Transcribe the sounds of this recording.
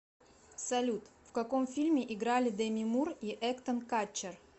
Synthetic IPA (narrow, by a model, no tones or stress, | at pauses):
sɐlʲut̪ | fkɐkomfʲilʲmʲɪʔɪɡɾalʲɪd̪əmʲɪmuriʔɛkt̪ənkat͡ɕːɪr